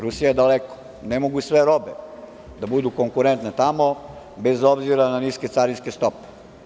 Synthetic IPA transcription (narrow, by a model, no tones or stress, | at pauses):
ɾusijaed̪aleko̥ | nemoɡusʋeɾobe | d̪abud̪ukoŋkuɾent̪nat̪amo | bezobziɾananisket̪saɾinskest̪ope̥